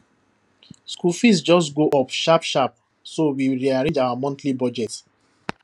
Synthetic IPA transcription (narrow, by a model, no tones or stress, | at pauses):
skulfisd͡ʒɔstɡoʔɔpʃapʃap̚ | sowiɹiaɾẽd͡ʒawamɔ̃ntlibɔd͡ʒɛt